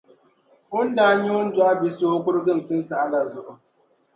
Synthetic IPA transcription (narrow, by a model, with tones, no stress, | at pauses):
ʔʊ˦nda˨˦ɲi˦wʊ˦n˦dʊ˨a˦bi˨so˦kʷʊ˦ɾɡɪ˦m˨sʊ˦nsa˨ʔa˦la˨zʊ˦ʔʊ˨